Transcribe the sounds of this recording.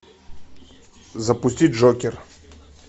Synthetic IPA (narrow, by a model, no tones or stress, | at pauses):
zɐpʊsʲtʲid̚ʲʐɔkʲɪr